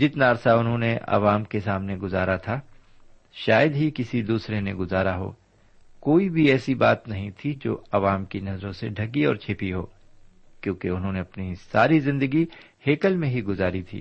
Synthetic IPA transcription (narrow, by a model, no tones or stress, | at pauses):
d͡ʒɪt̪naːɾsaʊnɦõːneʔɐ̰ʋaːmkesaːmneɡʊzaːɾat̪ʰa | ʃaːjəd̪ɦikɪsid̪uːsɾeneɡʊzaːɾaɦo̰ː | koːibʱiɛːsibaːt̪nɐɦĩt̪ʰid͡ʒo̰ːɐʋaːmkinɐzɾõseɖʱɐɡiɔ̰ːɾt͡ʃʰeːpiɦo̰ː | kjõːkeʊnɦõneɐpnisaːɾizɪ̃nd̪əɡi | heːkəlmẽɦiɡʊzaːɾit̪ʰḭː